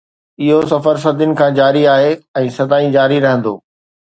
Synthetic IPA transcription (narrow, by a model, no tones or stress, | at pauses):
ɪɦosɐfəɾs̬ɐd̪ʱjʊnɪ̆kʰãːd͡ʑaːɾiaːɦeɛ̃ːsɐd̪aːĩd͡ʑaːɾiɾɐɦə̃nd̪o̰ː